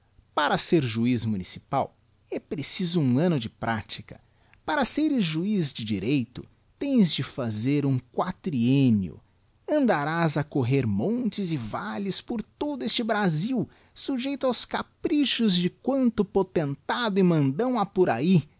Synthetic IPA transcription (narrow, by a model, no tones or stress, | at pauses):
paɾɐseɾʒuizmunisipaw | ɛpɾesizʊũɐ̃nʊd͡ʒɪpɾʔat͡ʃi̥kɐ̥ | paɾɐseɾʊʒuizd͡ʒɪd͡ʒiɾejt̪ʊ̰ | t̪ẽj̃zd͡ʒɪfazeɾũŋkwat̪ɾiẽnjʊ̰ | ɐ̃nd̪aɾazɐkoɦeɾmõnt͡ʃɪzɪvalɪspoɾt̪od̪ʊest͡ʃɪbɾaziw | suʒejt̪ʊawskapɾiʃʊzd͡ʒɪkwɐ̃nt̪ʊpot̪ẽnt̪ad̪ʊɪmɐ̃nd̪ɐ̃w̃apʊɾai